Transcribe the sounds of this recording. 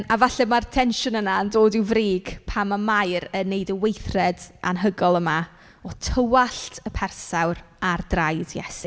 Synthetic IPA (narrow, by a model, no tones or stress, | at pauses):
avaɬɛmartʰɛnʃʊnənandoːdɪwvriːɡ̥pʰamamajɾəneɨdəwejθrɛdʔa̰nɦəɡɔlˠəma | ɔtʰəwaɬtʰəpʰɛrsawr | ardrajdjɛ̰si